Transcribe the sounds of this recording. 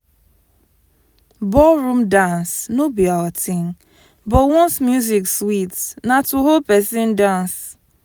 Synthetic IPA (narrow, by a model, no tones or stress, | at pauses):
bɔlɹũmdãnsnobiawatĩn | bɔtwɔ̃nsmjuzikswitnatuɦolpɛsɪ̃ndãns